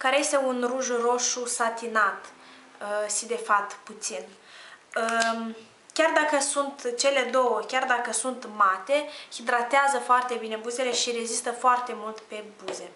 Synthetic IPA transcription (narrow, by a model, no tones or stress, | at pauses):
kaɾeje̞st̪e̞unruʒuɾo̞ʃusat̪inat̪ | əʃid̪e̞fap̚t̪put̪sin | ə | kʲard̪akəsunt̪t͡ʃe̞le̞d̪o̞wəkʲard̪akəsunt̪mat̪e̞hid̪ɾat̪eazəfoart̪e̞bine̞buze̞le̞ʃiɾe̞zist̪əfoart̪e̞mult̪pe̞buze̞